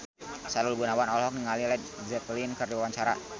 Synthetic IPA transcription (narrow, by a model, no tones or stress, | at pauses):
salulɡunawanɔlɦɔk̚niŋalilɛdzɛt̪linkərdiwawaɲt͡ʃaɾa̰